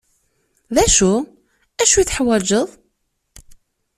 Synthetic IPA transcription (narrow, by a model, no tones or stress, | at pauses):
ðæʃu | æʃujθħwæd͡ʒəðˤ